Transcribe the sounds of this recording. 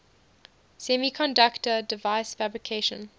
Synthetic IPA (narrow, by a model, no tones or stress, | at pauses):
sɛmikʰɔ̃ndaktədɪvaɪsfæbɹikʰeɪʃə̰̃n